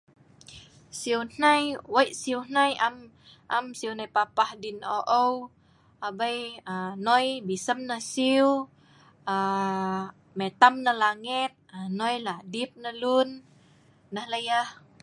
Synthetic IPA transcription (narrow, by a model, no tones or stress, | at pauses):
siwn̥ajwəjʔsiwn̥ajam | ʔamsiuwnajpapahdinoʔəw | ʔabəjanɔjbisəmnəsiw | a | mɛt̪amnəlaŋit̪̚anɔjladip̚nəlunː | əhləjah